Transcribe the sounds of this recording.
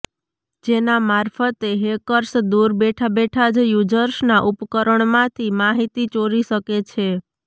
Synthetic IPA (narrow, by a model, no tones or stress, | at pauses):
d͡ʒenamaɾfʰət̪eɦekəɾsd̪uɾbeʈʰabeʈʰad͡ʒjud͡ʒəɾʃnaʔupkəɾəɳmãt̪ʰimaɦit̪it͡ʃoɾiʃəket͡ʃʰe